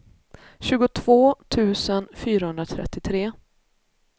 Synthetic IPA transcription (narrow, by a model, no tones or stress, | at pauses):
ɕʉ̟ːɡʊt̪ʰv̥oːt̪ʰʉ̟ːsənfyːɾahɵnd̪ɾat̪ʰɾɛ̰t̪ːɪt̪ʰɾeː